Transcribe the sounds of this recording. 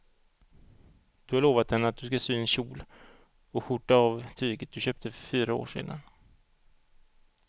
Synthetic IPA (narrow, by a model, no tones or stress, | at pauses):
d̪̥ɵhaɭoːvat̪̚d̪ɛnːəat̪̚d̪ɵskasyːɛnɕuːl | ɔɧʊʈːaavt̪ʰyːɡət̪̚d̪ɵɕøːp̚t̪ʰəfœfyːɾao̰ːʂḛːd̪a̰n